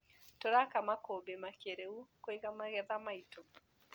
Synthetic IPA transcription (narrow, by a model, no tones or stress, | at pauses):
toɾakamakobemakeɾeukoeɣamaɣɛðamaito